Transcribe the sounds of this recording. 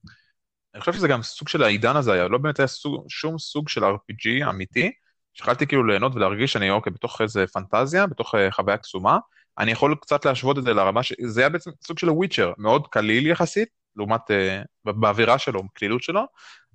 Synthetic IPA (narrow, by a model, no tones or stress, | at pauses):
aniχoʃevʃezeɡamsuɡʃe̞laidanazeajalo̞beːmetajasuʃumsuɡʃe̞laʁpid͡ʒia̰miti | ʃe̥χalt̪ikiːlule̞ːno̞tvelaʁɡiʃaniokejbeto̞χeze̞fantazjabeto̞χeχavajaksuma | ʔa̰nijaχo̞lkt͡sat̪leaʃvo̞t̬ezelaʁamaʃezeajabe̞et͡semsuɡʃe̞lwit͡ʃeʁmeo̞dkaliljaχasit̚ | leumatebeːviʁaʃelo̞maklilutʃe̞lo̞